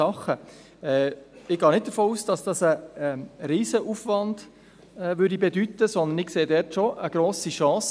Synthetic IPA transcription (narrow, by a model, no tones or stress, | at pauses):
ɑχə | ɛɪɡ̥ɑːnɪt̚d̥̪əɾfoːuːsd̥ɑsd̥ɑsə | ɾiːzəʔufʋɑnd̥ | ɛʋʏɾdibɛdytːəsɔnd̪ənɪkseːdɛːɾtʃoʔəɡ̥ɾoːsiʃɑ̃ːs